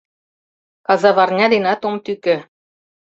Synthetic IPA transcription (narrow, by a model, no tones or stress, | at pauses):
kɑzɑβɑrnʲɑd̪inɑt̪omt̪ykɘ̆